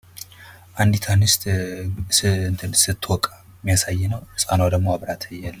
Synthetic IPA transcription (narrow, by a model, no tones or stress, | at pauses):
ʔand̪it̪ʰanɨst̪ʼ | nʰɨsɨt̪ʰːwɔkʼa | mːijasajːɛnəwɨsʼanwad̪əɡmoaβɾat̪ʰjalː